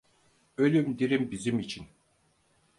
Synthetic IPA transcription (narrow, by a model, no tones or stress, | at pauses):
ølʲymd̪iɾimbizimit͡ʃʰin